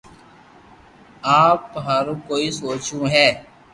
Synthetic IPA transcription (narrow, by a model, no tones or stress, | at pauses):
aːpɦaːɾũːkoːiːsoːt͡ʃũːɦɛː